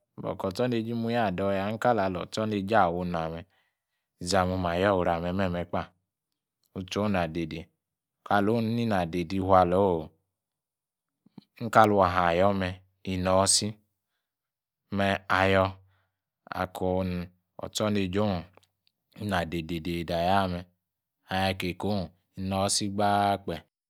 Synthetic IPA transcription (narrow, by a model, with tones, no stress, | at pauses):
bɔ̰˨kɔ˨tɔ˦ne˧˨d͡ʒi˦mu˧˦ja˦˨dɔ˧˨˦ja˧˦ŋ̩˦ka˦la˨lɔ̰˨t͡ʃɔ˦ne˧d͡ʒa˦˨wo˧n˨a˨mɛ˧˨ | za˧˨mu˧ma˨jɔ˦˨wu˨ɾa˨mɛ˧˦mɛ˦˨mɛ˧k͡pa˦˨ | u˧t͡ʃo˨˦na˨de˨de˨˦ | ka˨˧˨lo˨˦n˦ni˦na˨de˨di˧˦ɦʷa˧lo˨˦˨ | ŋ̩˦ka˦lu˦a˨ɦa˨jɔ˦mɛ˧ | i˨nɔ˨˦si˦ | mɛ˧a˨jɔ˧ | a̰˨kʰo˧n˨ | ɔ̰˨t͡sɔ˦ne˧d͡ʒo˦˨ | i˦na˨de˨de˨de˨da˨ja˦˨mɛ˨ | a˨ja˧˨ke˨ko˨˦˨ | i˨nɔ˨˦si˦ɡ͡ba˦k͡pɛ˨